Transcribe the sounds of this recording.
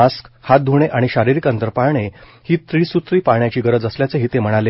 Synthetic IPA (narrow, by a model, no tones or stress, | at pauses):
askhat̪̚d̪ʱuɳ̃eʔaɽ̃iɕaɾiɾikənt̪əɾpaɾɳehiːt̪ɾiːsut̪ɾiːpaɳjat͡ɕiːɡəɾəd͡zəsljat͡seɦiːt̪em̤əɽ̃ale